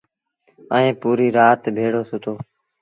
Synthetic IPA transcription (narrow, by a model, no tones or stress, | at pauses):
əẽːpuːɾiːɾaːt̪bʱeːɽoːsʊt̪ʰoː